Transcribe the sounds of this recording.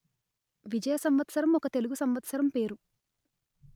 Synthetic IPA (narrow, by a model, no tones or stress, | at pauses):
ʋid͡ʒɐjɐsɐmʋɐt̪sɐɾɐmɔkɐt̪e̞luɡusɐmʋɐt̪sɐɾɐmpe̞ːɾu